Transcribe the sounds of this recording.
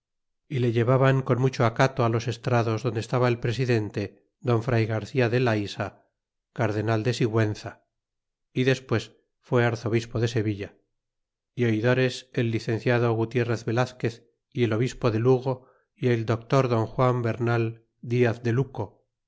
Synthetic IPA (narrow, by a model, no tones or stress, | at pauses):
ile̞ʝe̞βaβaŋko̞nmut͡ʃoakat̪oalo̞se̞st̪ɾaðo̞zðo̞nd̪est̪aβaelpɾe̞siðe̞nt̪e̞ | ðo̞ɱfɾajɣaɾθiaðe̞laisa | kaɾðe̞nald̪e̞siɣwe̞nθa | iðe̞spwe̞s | fwe̞aɾθo̞β̞ispo̞ðe̞se̞βiʎa | io̞iðo̞ɾe̞se̞lːiθẽ̞nθjaðo̞ɣut̪je̞re̞θβe̞laθke̞θ | ie̞lo̞β̞ispo̞ðe̞luɣo̞ | ield̪o̞k̚t̪o̞ɾðo̞ŋxwambe̞ɾnal | d̪iaθd̪e̞luko